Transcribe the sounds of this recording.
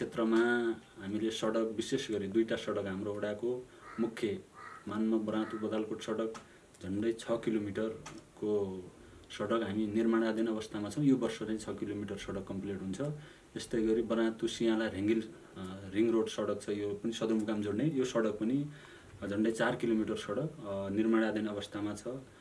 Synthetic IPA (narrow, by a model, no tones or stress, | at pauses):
t͡sʰet̪rʌmaɦamilesʌɽʌk̚bisesɡʌɾid̪ujʈasʌɽʌkɦamroːɽako | mukʰjʌmanmabʌɾãt̪ubʌd̪alkoʈsʌɽʌk | d͡zʱʌɳɖʌjt͡sʰʌkilomiʈʌrko | sʌɽʌkɦaminirmaɽ̃ad̪enʌʌβʌst̪ʰamat͡sʰʌ̃w̃jobʌrsʌlaj̃t͡sʰʌkilomiʈʌrsʌɽʌkːʌmpleʈɦunt͡sʰʌ | t̪est̪ʌjɡʌɾibʌɾãt̪usijãlajɾeŋɡil | riŋroɽsʌɽʌkt͡sʰʌjopʌnisʌd̪urmukamd͡zoɽnejosʌɽʌk̚pʌni | d͡zʱʌɳɖʌjt͡sarkilomiʈʌrsʌɽʌknirmaɽ̃ad̪enʌʌβʌst̪ʰamat͡sʰʌ